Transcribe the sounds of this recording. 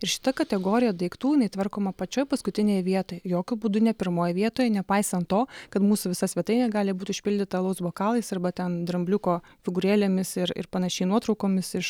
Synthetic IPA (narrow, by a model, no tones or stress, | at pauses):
ɪɾʃʲɪ̥t̪ɐkɐt̪ʲɛɡoːɾʲɪjɛd̪ɐɪkt̪uːɪnɐɪt̪ʋɐrkoːmɐpɐt͡ʃʲoːjpɐskʊt̪ʲɪnʲejʋʲiɛt̪oːjɛjoːkʲʊbuːd̪ʊnʲɛpʲɪɾmoːjɛʋʲiɛt̪oːjɛnʲɛpɐɪsɐnt̪t̪oːkɐt̪muːsʊʋʲɪsɐsʲʋʲiɛt̪ɐɪnʲɛɡɑːlʲɪbuːt̪ʲʊʃʲpʲɪlʲd̪ʲɪt̪ɐlˠɐʊsboːkɑːlˠɐɪsɐrbɐt̪ʲɛnd̪ɾɐmʲbʲlʲʊkoː | fʲɪɡʊɾʲeːlʲeːmʲɪsɪɾɪ̰ɾpɐnɐʃʲɛɪnuɔt̪ɾɒʊkoːmʲɪsɪʃ